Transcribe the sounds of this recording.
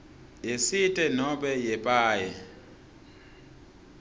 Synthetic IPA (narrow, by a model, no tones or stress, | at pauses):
jesitʼɛnɔɓɛjɛpʼaːjɛ